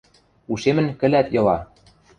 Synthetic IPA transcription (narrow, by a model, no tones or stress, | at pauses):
uʃemɘ̆nkɘ̆læt̪jɤ̆lɑ